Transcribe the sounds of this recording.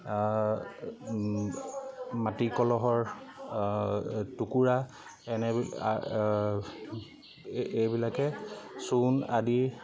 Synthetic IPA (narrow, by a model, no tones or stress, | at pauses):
matikɔlɔɦɔɹ | tukuɹa | ɛnɛia | ejbilakɛsunadi